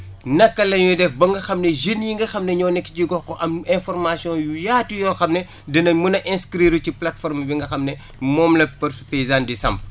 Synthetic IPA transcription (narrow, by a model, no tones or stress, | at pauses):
nɐkːɐlɐɲjudɛfbɐŋɡɐxɐmneʒinjiŋɡɐxɐmnɛɲɔːnɛkːi̥ciɡɔxkɔʔɐmɛ̃fɔrmasjɔ̃jujaːtujɔːxɐmnɛ | dɐnɐmunɐʔɛ̃skɾiɾuciplatfɔrmbiŋɡɐxɐmnɛ | mɔːmlɐpɐrsupeizandisɐ̰mp̚